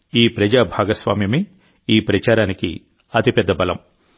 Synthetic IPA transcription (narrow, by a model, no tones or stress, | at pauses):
iːpɾɐd͡ʒaːbʱaːɡɐsʋaːmjɐmi | iːpɾɐt͡ʃaːɾaːnikḭ | ɐt̪ipɛd̪ːɐbɐlɐ̰m